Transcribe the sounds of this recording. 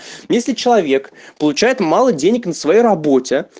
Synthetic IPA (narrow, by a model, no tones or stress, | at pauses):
jesʲlʲɪt͡ɕɪlˠɐvʲe̞kpəlˠʊt͡ɕæjɪt̪mɑlˠədʲenʲɪknəsvɐjejrɐbo̞tʲɪ